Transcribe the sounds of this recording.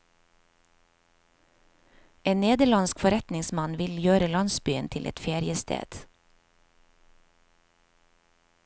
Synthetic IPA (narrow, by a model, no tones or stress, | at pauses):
eːnneːd̪əɭɑnskfɔɾɛt̪nɪŋsmɑnʋɪljøːɾəlɑnsbyːənt̪ʰɪlʔɛ̰t̪feːɾɪəst̪ʰḛːd̪̥